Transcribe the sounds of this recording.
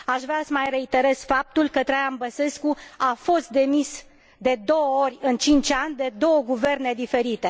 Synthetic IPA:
aʃvɾeasəmajre̞it̪e̞ɾe̞z̥fap̚t̪ulkət̪ɾejanbəse̞skuafo̞st̪̚d̪e̞mis | d̪e̞d̪o̞wəo̞rʲɨnt͡ʃint͡ʃʲanʲd̪e̞d̪o̞wəɡuve̞rne̞d̪ife̞ɾit̪e̞

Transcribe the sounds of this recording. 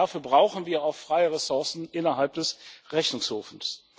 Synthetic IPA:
afyːɐbʁaʊxn̩viːɐaʊxfʁ̥aɪəʁɛsʊɐsn̩ʔɪnɐɦalp̚d̥ɛsʁɛçnʊŋshoːfn̩s

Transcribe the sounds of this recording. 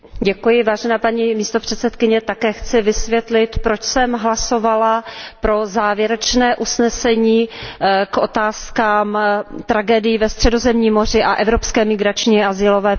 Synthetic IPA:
ɟɛkujɪvaːʒɛnaːpaɲiːmiːst̪o̞pr̝̥ɛt̪sɛt̪kɪɲɛt̪akɛːxt͡sɪvɪsvjɛt̪lɪt̪pɾot͡ʃsɛmɦlaso̞valapɾo̞zaːvjɛɾɛt͡ʃnɛːʔusnɛsɛɲiːkʔo̞t̪aːskaːmt̪ɾaɡɛːdɪjivɛst̪r̥ɛdo̞zɛmɲiːmo̞r̝ɪʔaʔɛvɾo̞pskɛːmɪɡɾat͡ʃɲiazɪlo̞vɛː

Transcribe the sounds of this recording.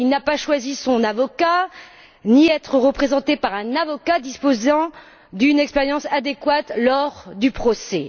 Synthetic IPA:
ilnapaʃwazisɔ̃navɔka | niɛt̪χəʁəpχezɑ̃t̪epaʁɛ̃navɔkad̪ispozɑ̃ | d̪ynɛkspɛʁjɑ̃sad̪ekwat̪lɔʁd̪ypχɔsɛ

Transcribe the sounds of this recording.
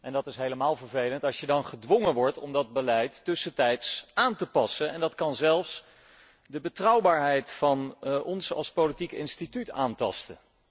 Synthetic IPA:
ʔɛndɑtɪsɦejləmaːlˠvəɹvejləntɑlˠʃjədɑnχədʋɔŋəʋɔɹtɔmdɑd̚bəlɛjtːɵsətɛjtsaːntəpɑsənɛndɑtkɑnzɛlˠfs | dəbətrʌwbaːɹɦɛjtfɑnɔnsɑ̰lˠspowlitikɪ̰nstitytaːntɑ̰stə

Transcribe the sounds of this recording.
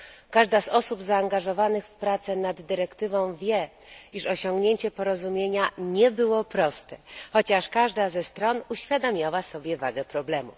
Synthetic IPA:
kaʐd̪azɔsubzaːŋɡaʐɔvanɘxfpɾat̪sɛnad̪ːɘɾɛkt̪ɘvɔ̃w̃vʲjɛ | iʂɔɕɔŋɡɲeɲt͡ɕɛpɔɾɔzumʲjeɲaɲɛbɘwɔpɾɔst̪ɛxɔt͡ɕaʂkaʐd̪azɛst̪ɾɔnuɕfʲjad̪amʲjawasɔbʲjɛvaɡɛpɾɔblɛmṵ

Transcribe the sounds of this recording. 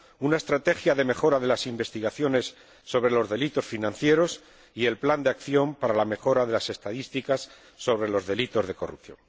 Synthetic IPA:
unae̞st̪ɾat̪e̞xjaðe̞me̞xo̞ɾaðe̞lasimbe̞st̪iɣaθjo̞ne̞sː | o̞βɾe̞lo̞zðe̞lit̪o̞sfinãnθje̞ɾo̞s | ie̞lpland̪eakθjo̞mpaɾalame̞xo̞ɾaðe̞lase̞st̪aðist̪ikasː | o̞β̞ɾe̞lo̞zðe̞lit̪o̞zð̞e̞ko̞rupθjo̞̰ŋ

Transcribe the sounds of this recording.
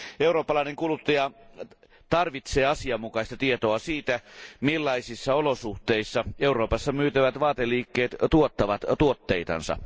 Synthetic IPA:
euɾoːpːɑlɑineŋkulut̪ːɑjɑ | t̪ɑrʋit̪seːɑsiɑmːukɑist̪ɑt̪iet̪oɑsiːt̪æmilːɑisisːɑolosuht̪eisːɑeuro̞ːpɑsːɑmyːt̪æʋæt̪ʋɑːt̪elːˑiːkːeːt̪t̪uot̪ːɑʋɑt̪t̪uot̪ːeit̪ɑ̰nsɑ̰

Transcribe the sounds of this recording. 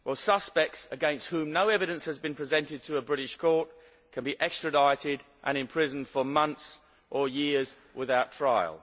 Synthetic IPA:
wəlˠsʌspɛk̚tsɨɡɛ̃nst̚hʉ̃mnoʊɛvɨɾɨ̃nshəzbɨ̃npʰɹ̥izɛ̃ntɪd̚tʰəːbɹɪɾɪʃkʰɔɹt | kʰɨ̃nbiʔɛkstɹ̥ɨdaɪɾɪɾ | ʔə̰̃ñɨ̃mpʰɹ̥ɪzn̩d̥fə˞mʌ̃nθs | ʔəjɪz | wʔɪðaʊtʰɹ̥aɪə̰lˠ

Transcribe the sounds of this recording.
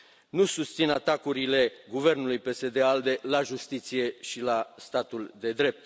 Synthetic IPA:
nusust̪sinat̪akuɾile̞ɡuve̞rnulujpe̞se̞d̪e̞ald̪e̞laʒust̪it̪sije̞ʃilast̪at̪uld̪e̞d̪ɾe̞p̚t̪

